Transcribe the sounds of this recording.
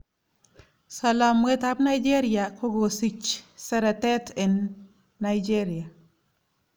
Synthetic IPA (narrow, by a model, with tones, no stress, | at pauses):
sa˨la˨mwe˦t̪a˦pna˦jd͡ʒe˦ɾija˨kʰo˦ɡo˨si˨t͡ʃsa˦ɾa˨tɛ˦tʰe˨nː | ajd͡ʒe˦ɾi˨a˨